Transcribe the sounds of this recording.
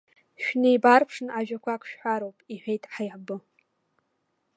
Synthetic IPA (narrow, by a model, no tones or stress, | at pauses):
ʃᶣnejbarpʰʂnaʒᶣakʷʰakʷʰʼʃᶣħʷaɾowpʼiħʷᶣejtʼħajʕbɨ